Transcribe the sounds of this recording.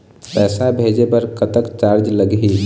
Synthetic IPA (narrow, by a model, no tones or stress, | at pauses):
pɛːsabʱed͡ʒepəɾkət̪əkt͡ʃaɾd͡ʒləɡɦi